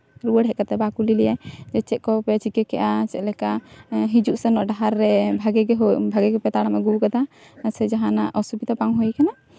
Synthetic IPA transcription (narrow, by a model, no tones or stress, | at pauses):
ɾuəɽɦɛʔkat̪ɛbakulilɛjajd͡ʒɛt͡ʃɛʔ̪̚kɔpɛt͡ʃikɛkɛʔat͡ʃɛʔ̪lɛkaɦid͡ʒuʔsɛnɔʔɖaɦaɾːɛbʱaɡɛɡɛɦbʱaɡɛɡɛpɛt̪aɽamɛɡuwkad̪a | sɛd͡ʒaɦanaʔɔsubid̪apaŋɦɔjkana